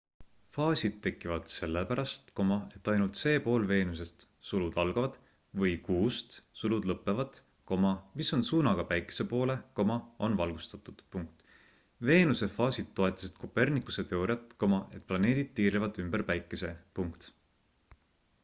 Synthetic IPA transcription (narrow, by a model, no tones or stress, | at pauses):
fɑːsʲid̪̥̚t̪ːe̞kːˑivɑd̪̥se̞lːepæɾɑst̪ko̞mɑe̞t̪ːˑɑjnult̪se̞ːpo̞ːlve̞ːnus̬est̪ | sulud̪ɑlɡ̥ɑvɑd̪̥ | vɤjkuːst̪sulud̪lɤpːˑe̞vɑd̪̥ | ko̞mɑmiso̞nsuːnɑɡ̥ɑpæjkːˑese̞po̞ːle̞ko̞mɑo̞̰nvɑlɡ̥ust̪ɑt̪ːˑud̪̥u̥puŋkt̪ | ve̞ːnuse̞fɑːsid̪̥̚t̪ːo̞e̞t̪ːˑɑsid̪̥̚ko̞pe̞rnikːˑu̥se̞t̪e̞o̞ɾjɑt̪ːˑko̞mɑe̞t̪̚ˑplɑne̞ːd̪̥id̪̥̚t̪ːiːɾivɑd̪̥ymb̥erpæjkːˑese̞puŋkt̪